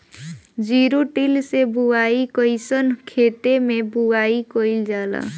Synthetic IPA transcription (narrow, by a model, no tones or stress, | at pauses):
d͡ʒiɾuʈilsebuaikəisənkʰet̪emẽbuaːikoɪld͡ʒaːla̰